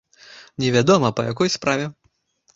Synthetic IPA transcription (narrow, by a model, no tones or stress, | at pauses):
nʲɛvʲad̪ɔmɐpɐjakɔjspɾavʲɛ